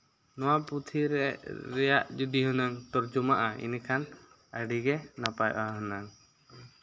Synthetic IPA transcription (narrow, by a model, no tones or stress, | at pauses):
nɔwaput̪ʰiɾɛɾɛjaʔd͡ʒud̪iɦɔnaŋt̪ɔɾd͡ʒumaʔaʔḭnkʰan | əɖiɡɛnapajʔaɦɔnaŋ